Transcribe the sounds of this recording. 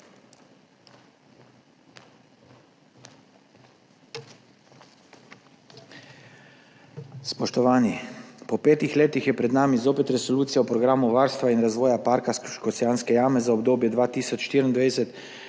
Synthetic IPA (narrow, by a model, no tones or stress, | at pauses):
spɔʃt̪ɔʋaːnipɔpeːt̪ixleːt̪ixjɛpɾɛd̪naːmizoːpɛt̪ɾɛsɔluːt̪sijaɔpɾɔɡɾaːmuʋaːɾst̪ʋainɾazʋɔːjapaːɾkaskɔsɛjaːnskɛjaːmɛzaɔbd̪oːbjɛd̪ʋaːt̪iːsɔt͡ʃʃt̪iːɾind̪ʋeːdsɛt̪